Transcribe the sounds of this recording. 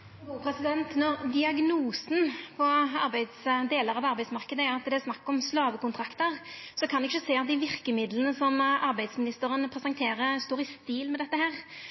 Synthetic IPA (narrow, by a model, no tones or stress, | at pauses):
pʰɾɛsɪd̪ɛnt̪nɔʁd̪ɪɑɡnuːsn̩pʰɔɑɾbæɪd̪sd̪eːləɾɑʋɑɾbæɪd̪smɑʁkəd̪əæɾɑt̪d̪ɛæsnɑkːɔmslɑːʋəkʊnt̪ʰɾɑkt̪əʁsɔkʰɑnɛɡɪçəsæɪɑt̪̚d̪ɪʋɪʁkəmɪd̪lənəsɔmɑɾbæɪd̪smɪnɪst̪əɾənpʰɾɛsɑŋkt̪ʰeːɾəst̪oːɾɪst̪ɪːlmɛd̪ɛt̪ːəhæːʁ